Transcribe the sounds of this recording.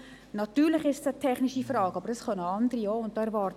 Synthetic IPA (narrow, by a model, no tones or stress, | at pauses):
nɑtyːɾlɪχɪʃtsətʰɛχniʃifrɑːɡɑbəɾdɑsχœnəɑndəɾioːʊnt̚dɑːɛɾvɑːɾt